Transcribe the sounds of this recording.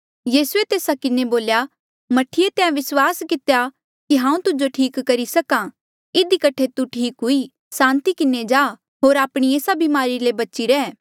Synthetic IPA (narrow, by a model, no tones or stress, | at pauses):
jiːsuet̪eːsakɪneboːlja | mɐʈʰːiet̪eãʋɪswaːskɪt̪eja | kiɦãːũt̪ʊd͡ʒoʈʰiːkːɐɾisɐka | ɪd̪ikɐʈʰet̪uʈʰiːkɦʊi | sãːnt̪ikɪnːed͡ʒaː | ɦoːɾaːpɽ̃ieːsabimaːɾilebɐt͡ʃiɾɛː